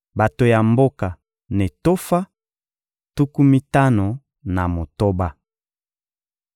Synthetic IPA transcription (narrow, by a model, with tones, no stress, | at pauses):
ba˨to˨ja˨mbo˦ka˨ | ne˨to˦fa˦ | tu˦ku˦mi˦ta˦no˨ | na˨mo˨to˦ba˦